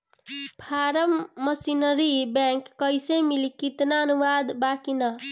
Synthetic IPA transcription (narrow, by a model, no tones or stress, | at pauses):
pʰaɾəmːəsinəɾibɛ̃ŋkːəjsemilikit̪naənuʋad̪bakinʌ